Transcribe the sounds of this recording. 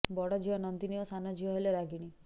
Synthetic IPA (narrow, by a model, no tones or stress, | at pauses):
bɔɽɔd͡ʒiɔnɔnt̪iniosanɔd͡ʒiɔɦeleɾaɡiɽ̃i